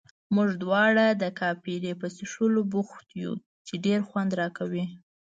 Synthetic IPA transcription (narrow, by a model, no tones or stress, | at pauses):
muʒd̪wɑɽad̪əkɑpiɾepəsɪʂəlobuxt̪jṵ | t͡ʃeɖeɾxwand̪ɾɑkawi